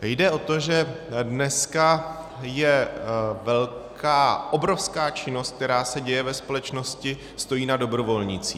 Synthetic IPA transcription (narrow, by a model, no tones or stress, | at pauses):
jdɛʔo̞t̪o̞ʒɛ | dnɛska | jɛ | vɛlkʰaːʔo̞bɾo̞fskaːt͡ʃɪno̞st̪k̚t̪ɛɾaːsɛɟɛjɛvɛspo̞lɛt͡ʃno̞scɪ | st̪o̞jiːnado̞bɾo̞vo̞lɲɪt͡siː